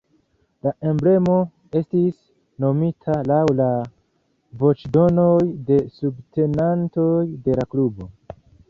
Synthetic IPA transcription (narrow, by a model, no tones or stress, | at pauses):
laʔe̞mble̞mo̞ | e̞stis | no̞mitʰalawla | vo̞t͡ʃdo̞no̞jde̞subtʰe̞nanto̞jde̞laklubo̞